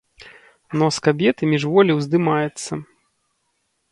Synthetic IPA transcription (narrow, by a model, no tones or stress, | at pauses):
nɔskabʲɛt̪ɨmʲiʐvɔlʲiwzd̪ɨmajɛt̪sːɐ